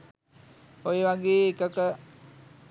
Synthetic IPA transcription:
ojeʋaɡeːkəkə

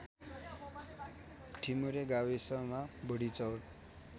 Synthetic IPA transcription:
ʈʰimuɾeɡawisʌmabʌɽit͡sʌwʈ

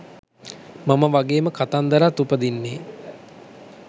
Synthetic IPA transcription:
maməʋaɡeːməkat̪and̪əɾat̪upəd̪inːeː

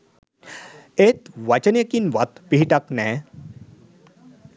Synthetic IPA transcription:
et̪ʋat͡ɕnekinʋat̪piɦiʈaknɛ̃

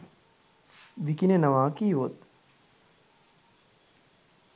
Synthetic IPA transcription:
ʋikinenɐʋaːkiːʋot̪

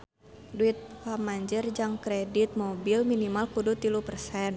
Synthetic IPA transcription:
duit̪̚famaɲd͡ʒərd͡ʒaŋkɾɛdit̪̚mobilminimalkudut̪ilupərsɛn

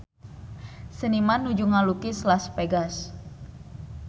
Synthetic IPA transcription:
sənimanːud͡ʒuŋalukɪslaspeɡas

